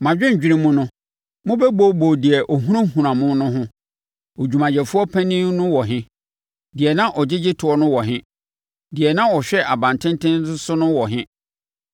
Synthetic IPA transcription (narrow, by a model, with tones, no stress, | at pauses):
mã˨d͡ʑᶣɪ̃˦ɲ̩ᶣ˨i˦ɾĩ˦mʊ̃˦nʊ̃˦ | mʊ̃˦bɛ˦bo˦bo˨dɪ˨ɛ˨ʔɔ˨ɦũ˦ã˦ɦũ˨ɾã˨mʊ̃˦nʊ̃˦ɦʊ̃˦ | o˨d͡ʑᶣu˨mã˨d͡ʑɛ˨fʊ˦ɔ˦pʰæ̃˦nĩ˦nʊ̃˦wɔ˨ɦɪ̃˦ | dɪ˨ɛ˨nã˦ʔɔ˨d͡ʑɪ˦d͡ʑɪ˦tʰʊ˨ɔ˦nʊ̃˦wɔ˨ɦɪ̃˦ | dɪ˨ɛ˨nã˦ɔ˨ɕᶣɛ˦ʔa˨bã˨ntʰɪ̃˦n˦tʰɪ̃˦n˦ʊ˦sʊ˦nʊ̃˦wɔ˨ɦɪ̃˦